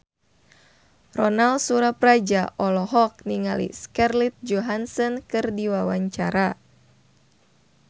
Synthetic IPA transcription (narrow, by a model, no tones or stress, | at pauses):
rɔnalsuɾaprad͡ʒaʔɔlɔɦɔk̚niŋalḭskɛrlit̪̚d͡ʒɔɦansɔnkɨrdiwawaɲt͡ʃa̰ɾa